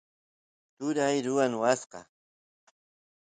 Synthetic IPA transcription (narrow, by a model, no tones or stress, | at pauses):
t̪ʊɾajɾʊwanwasqɑ̰